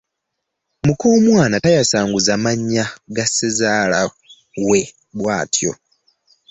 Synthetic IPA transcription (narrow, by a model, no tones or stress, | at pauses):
mukoːmwaːnatajasaːŋɡuzamaɲːaɡasezaːla | we̞ | βwaːtjo̞̰